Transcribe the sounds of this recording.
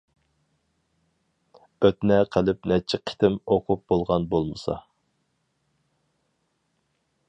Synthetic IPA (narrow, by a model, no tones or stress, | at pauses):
øt̪̚nɛqʰəlˠɪp̚nɛt͡ʃʰɪqʰɪ̥t̪ʰɪmoqʰup̚b̥olˠʁɑnbolˠmɨsɑ̰